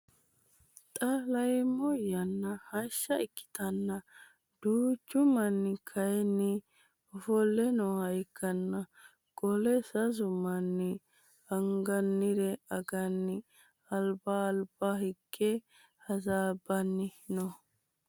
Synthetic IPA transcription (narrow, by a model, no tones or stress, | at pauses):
t̪ʼɐlɐjmɔjɐnːɐhɐʃːɐɪkːɪ̥t̪ɐnːɐ | d̪̥uːt͡ʃːʊmɐnːɪkʰɐjɛnːɪ | ɔfɔlːɛnɔhɐjkːɐnːɐ | ɡɔlɛsɐzʊmɐnːɪ | ɐŋɡɐnːɪd̪ɛɐɡɐnːɪ | ɐlbaːlb̥aɦɪɡːɛ | hɐzaːbːɐnːɪnɔ